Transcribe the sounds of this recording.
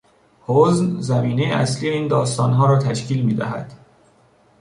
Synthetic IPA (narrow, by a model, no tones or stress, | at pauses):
hoznzæmiːne̞jeæ̰slije̞iːnd̪ɒːst̪ɒːnɦɒːɾɒːt̪ʰæʃciːlmiːd̪æ̰ɦæ̰d̪̥